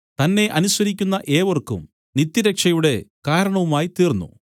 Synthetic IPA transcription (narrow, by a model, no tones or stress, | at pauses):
t̪ɐnːe̞ʔɐnusʋɐɾik̬ʲːunːɐʔeːʋɐrkːṵm | nit̪ːjiɾɐkʂɐjuɽe̞kaːɾɐɳɐʋumaːjit̪iːrnːṵ